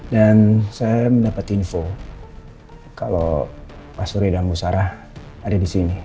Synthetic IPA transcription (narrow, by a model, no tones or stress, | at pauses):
dansajaməndapat̪info | kalo | pasuɾidamusaɾah | adadisini